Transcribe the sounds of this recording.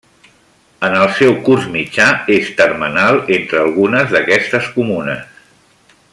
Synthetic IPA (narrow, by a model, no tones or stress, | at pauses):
ənəlˠsɛwkurzmid͡ʒaest̪ərmənalˠent̪ɾəːlˠɣunəzðəkɛst̪əskumunəs